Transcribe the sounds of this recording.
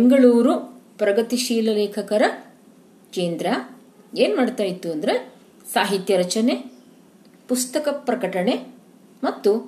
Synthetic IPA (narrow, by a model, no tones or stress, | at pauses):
ŋɡɐɭuːɾupɾɐɡɐt̪iʃiːlɐleːkʰɐkɐɾɐ | keːnd̪ɾa | eːnmaːɖt̪aːjit̪ːuɐnd̪ɐɾe | saːɦit̪jɐɾɐt͡ʃɐne | pust̪ɐkɐpɾɐkɐʈɐɳe | mɐt̪ːu